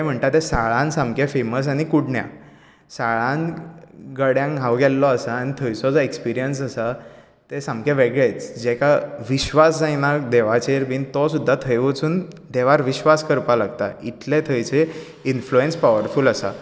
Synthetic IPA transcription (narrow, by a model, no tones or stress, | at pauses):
ɛm̤əɳt̪at̪esaɭãnsãmkefeməs̬añikuɽɳja̰ | saɭãn | ɡəɽjãŋɦaʋɡɛlːɔəsaːñit̪ʰəjt͡sɔd͡zɔekspiɾijənsəsa | t̪esãmkẽʋeɡɭet͡sd͡ʑɛkaʋiɕʋasd͡zajnad̪eʋat͡ɕeɾʋiːnt̪ɔsud̪ʱːat̪ʰəjʋət͡suːnd̪eʋaɾʋiɕʋaskəɾpalaɡt̪a̰it̪let̪ʰəjt͡se | influenspaʋəɾfuləsa̰